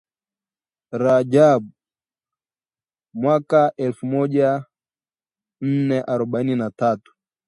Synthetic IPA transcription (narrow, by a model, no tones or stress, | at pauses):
ɾad͡ʒaɓ | mwakaʔɛlfumɔʄa | n̩nɛʔaɾɔɓaininatatu̥